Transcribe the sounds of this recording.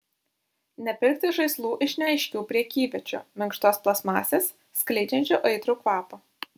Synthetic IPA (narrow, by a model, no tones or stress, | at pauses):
nʲɛpʲɪɾk̚t̪ʲɪʒɐɪslˠuːʔɪʃʲnʲɛɐɪʃʲkʲuːpʲɾʲiɛkʲiːʋʲɛt͡ʃʲo̰ːmʲɪŋkʃt̪oːsplˠɐsmɑ̰ːsʲeːsːʲklʲɛɪd͡ʒʲɛnʲt͡ʃʲoːʔɐɪt̪ɾuːkʋɑːpo